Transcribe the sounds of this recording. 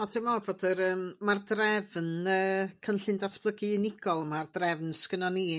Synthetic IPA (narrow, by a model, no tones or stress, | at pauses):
ɔdɪmɔboːdəɾəːmmardrɛvnəːkʰənɬɨndatʰb̥lˠəɡɨnɪɡɔlˠmardrɛvnskənɔni